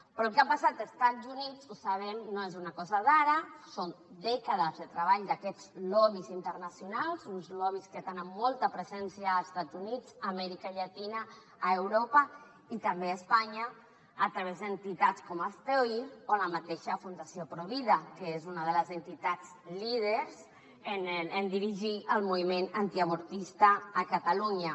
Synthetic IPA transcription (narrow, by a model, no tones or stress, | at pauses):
pɾɔlˠkapasat̪əst̪azunid͡zusaβɛmnoezunakɔzaðaɾasond̪ɛkəð̞əzðət̪ɾəβ̞aʎd̪akɛd͡zlɔβizint̪ərnasjunalˠzunzlɔβisket̪enəmːɔlˠt̪əpɾəzɛnsiaːst̪ad͡zunid͡zamɛɾikaʎat̪inaː | ewɾopə | it̪əmbeəspaɲəː | t̪ɾəβezd̪ənt̪it̪at͡skɔməst̪ojoləmət̪eʃəfund̪əsiopɾoβiðəkəezunəð̞ələzənt̪it̪ad͡z | lið̞əɾz | ənənd̪iɾiʒiəlˠmuβimenant̪iəmuɾt̪ist̪əːkət̪əluɲə